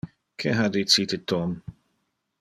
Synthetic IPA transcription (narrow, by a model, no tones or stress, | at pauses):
kʰɛɦad̪it͡siːt̪ɪt̪ːɔm